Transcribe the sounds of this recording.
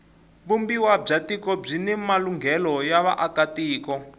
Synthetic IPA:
βumbiwab͡ʐatikɔb͡ʐinɛmaluŋɡʱɛlɔjaβaʔakatiːkɔ

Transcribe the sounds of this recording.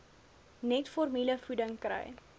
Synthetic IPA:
nɛtfɔrmiləfudəŋkrɛ̰j

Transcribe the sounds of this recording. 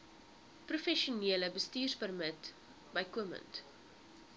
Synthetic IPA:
prufɛʃuniələbəstiːrspərmət | bɐjkuəmə̰nt

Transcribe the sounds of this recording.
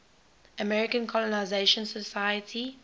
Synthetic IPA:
əmɛɹɪkə̃nkʰɔlɔnaɪzeʃə̃nsəsajətʰi

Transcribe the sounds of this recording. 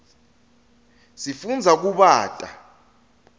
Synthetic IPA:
sifund͡zʱak̬uɓaːtʼa

